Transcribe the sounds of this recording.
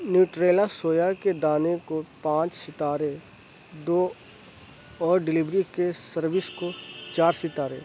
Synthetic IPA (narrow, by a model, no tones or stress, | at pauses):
njuːʈɾeːlasoːjaked̪aːnekopãːt͡ʃsɪt̪aːɾe | d̪oː | ɔːɾɖɪlɪbɾikesəɾʋɪskot͡ʃaːɾsɪt̪aːɾḛː